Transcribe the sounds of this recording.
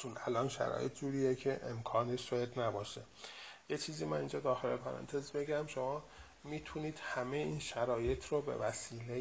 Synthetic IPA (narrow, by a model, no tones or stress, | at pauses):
t͡ʃʰonæ̰lʔɒːnʃæ̰ɾɒ̰ːjet̪̚ʰd͡ʒuːɾiːjecʰeʔemkʰɒːneʃsoed̪næbɒːʃe | je̞t͡ʃʰiːzimænind͡ʒɒːd̪ɒːxelepʰæɾæ̰nt̪ʰezbe̞ɟæmʃo̞mɒː | miːt̪ʰuniːd̪̥hæme̞jeiːnʃæɾɒːje̞t̪ʰɾobḛvæsiːle